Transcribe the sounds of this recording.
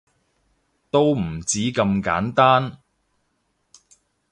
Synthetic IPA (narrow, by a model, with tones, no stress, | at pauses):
t̪o˥wm̩˨˩t͡siː˨˥kɐ˧mka̰ː˨˥nt̪aː˥n